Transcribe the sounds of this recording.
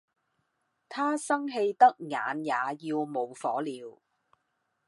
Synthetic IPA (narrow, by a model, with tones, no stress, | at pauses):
t̪ʰaː˥sɐ˥ŋɦe˧jt̪ɐ˥k̚ŋa̰ː˨˧njaː˨˧jiː˧wmo˨˧wfɔː˨˥liː˨˧w